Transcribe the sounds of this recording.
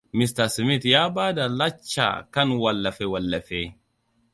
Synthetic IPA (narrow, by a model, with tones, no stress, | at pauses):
mɪst̪ɐsɪmɪt̪jaː˦baː˦d̪ɐ˨lɐ˦t͡ʃːa̰ː˨kɐ˦nwɐlːɐ˨fɛwɐlːɐ˨feː